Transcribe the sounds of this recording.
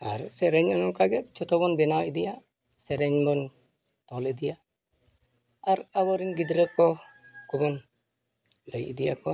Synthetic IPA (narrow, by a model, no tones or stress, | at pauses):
a̰ɾsɛɾɛɲɔnɔŋkaɡɛt̚t͡ʃɔt̪ɔbɔnbɛnawid̪ija | sɛɾɛɲbɔn | t̪ɔlid̪ija | aɾabɔɾinɡid̪ɾəkɔkɔbɔn | ləjḭdijakɔ